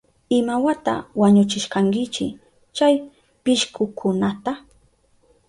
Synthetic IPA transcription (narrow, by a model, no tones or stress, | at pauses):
ɪmawat̪a̰waɲʊt͡ʃɪʃkaŋkɪt͡ʃɪ | t͡ʃaj | pɪʃkʊkʰʊnat̪a